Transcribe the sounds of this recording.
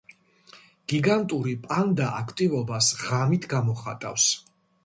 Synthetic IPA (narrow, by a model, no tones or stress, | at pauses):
ɡ̥iɡant̪ʼuɾipʼand̪aʔakʰt̪ʼivɔbasʁamit̪ʰɡamɔχa̰t̪ʼa̰fs